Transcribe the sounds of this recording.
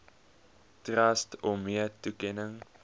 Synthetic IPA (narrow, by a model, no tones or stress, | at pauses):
trɐstɔmiətukɛnəŋ